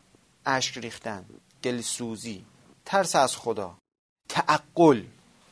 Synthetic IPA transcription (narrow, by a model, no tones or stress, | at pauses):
ʔæʃkɾiːxt̪æn | d̪̥elsuːziː | t̪ʰæɾsæzxod̪ɒ̰ː | t̪ʰæʔæɡːol